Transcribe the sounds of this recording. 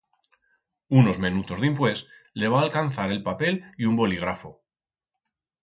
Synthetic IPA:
uno̞zmẽnut̪o̞zðimpwe̞s | le̞β̞aːlkanθaɾe̞lpape̞liumbo̞liɣ̞ɾafo

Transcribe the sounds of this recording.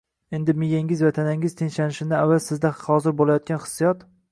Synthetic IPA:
e̞nd̪ɪmɪjaŋɪzvat̪ʰanaŋɪz̥t̪ʰeŋʲʃanɪʃɪnɪavːalsɪzd̪ahɒzɪɾbolajɒt̪̚ɡʲanχɨ̥sːijɒt̪

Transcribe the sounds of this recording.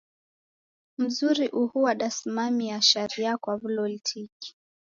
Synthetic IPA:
m̩zuɾiʔuhuwaɗasimamiaʃaɾiakwaβulɔlitʰiki̥

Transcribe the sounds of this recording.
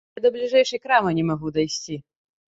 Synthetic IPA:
d̪ɐblʲiʐɛjʂɐjkɾamɐnʲɛmaɣud̪ajsʲt͡sʲi

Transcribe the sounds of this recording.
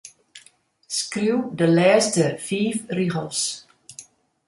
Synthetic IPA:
skriwdəlɛːstəfiːfriɣəlˠs

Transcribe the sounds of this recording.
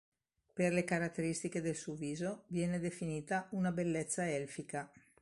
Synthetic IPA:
perlekaɾat̪ːeɾist̪iked̪elsuoviːzovjɛːned̪efiniːt̪aunabelːet̪sːaɛlfika

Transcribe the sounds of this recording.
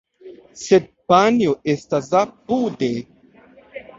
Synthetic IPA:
sed̚panjoestas̬apude

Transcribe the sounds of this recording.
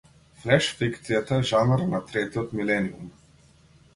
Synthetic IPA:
flɛʃfikt̪sijat̪aɛʒanɾnat̪ɾɛt̪iɔt̪milɛniṵm

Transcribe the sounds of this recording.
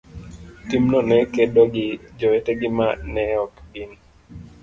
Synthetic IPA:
timnɔnɛkedoɡɪd͡ʒɔweteɡɪmanɛɔkbin

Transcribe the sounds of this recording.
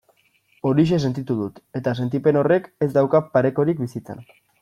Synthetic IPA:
o̞ɾiʃ̬e̞s̬e̞nt̪it̪uðut̪e̞t̪as̬e̞nt̪ipe̞no̞re̞ke̞zd̪awkapaɾe̞ko̞ɾikbisit͡se̞̰n

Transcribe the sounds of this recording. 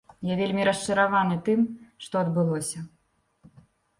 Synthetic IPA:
javʲelʲmʲiɾɐʂt͡ʂɐɾavanɨt̪ɨmʂt̪ɔɐd̪bɨlˠɔsʲɐ

